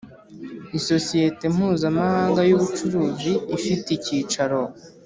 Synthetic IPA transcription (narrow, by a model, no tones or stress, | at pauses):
iso̞sije̞te̞m̥uːzamahaːŋɡajuβut͡ʃuɾuːziːfiticiːt͡ʃaɾo̞